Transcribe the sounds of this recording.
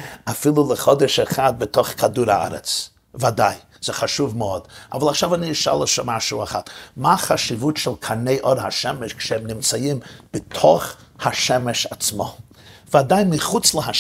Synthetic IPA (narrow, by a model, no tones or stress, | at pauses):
afilˠulˠəχɔdɛʃɛχad̚bɪtʰɔχkʰaduɾaa̰ɾɛ̰t͡s | vadaɪ | z̥ɛχaʃuvməɔda̰valˠaχʃavaniɪʃa̰lˠəʃamaʃuaχatmaχaʃivutʃɛlˠkʰaneɪʔɔɾhaʃɛmɛʃkʃɛɛmnɪmt͡sajɪmb̥ɪtʰɔχ | haʃɛmɛʃat͡smɔ̰ | vadaɪmɪχut͡slˠəha